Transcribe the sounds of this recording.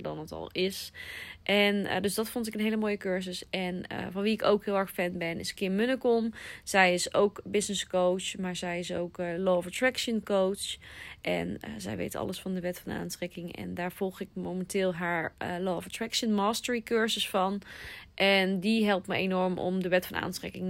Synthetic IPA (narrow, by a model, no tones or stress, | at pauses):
dɑ̰nətɑ̰lˠɪsʔɛndøsdɑtfɔntɪkənɦeləmoːjəkøɹzəsɛn̰vɑnʋiɪko̰wkɦɪːlˠɛɹxfɛnbɛnɪ̰səkɪːmʏnəkɔmz̥ɛjɪsowkbɪsnɪskowt͡ʃmaːɹzɛjɪsowklɔːfətɹɛkʃənkowt͡ʃʔɛ̰nə̰zɛ̰jʋḛjtʰɑ̰ləsfɑndəʋɛtfɑna̰ːntrɛkɪŋɛ̰ndaːɹv̥ɔlˠχɪk̚mowmɛntɪːlˠɦaːɹəloːfətɹɛkʃənmɑːstəɹikøɹzəsfɑnʔɛndiɦɛlˠp̚tməḛnɔɹmɔ̰mdəʋɛtfɑnʔa̰ːntrɛ̰kɪŋ